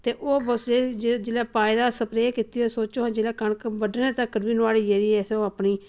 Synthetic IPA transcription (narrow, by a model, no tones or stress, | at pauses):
t̪eːʔoːbəsd͡ʒed͡ʒeːlɛːpaːid̪aːsəpɾeːkɪt̪iːoːsoːt͡ʃoːɦːd͡ʒeːlaːkəɳkbəɖnẽːt̪əkːəɾʋiːnʋaːliːd͡ʒeɾiːɛseoːapniː